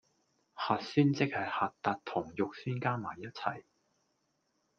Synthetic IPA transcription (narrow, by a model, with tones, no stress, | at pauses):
haː˨t̚syː˥nt͡sɪ˥k̚hɐ˨jhaː˨t̚t̪aː˨˧t̚t̪ʰʊ˨˩ŋjʊ˨k̚syː˥nkaː˥maː˨˩jːɐ˥t̚t͡sʰɐ̰˨˩j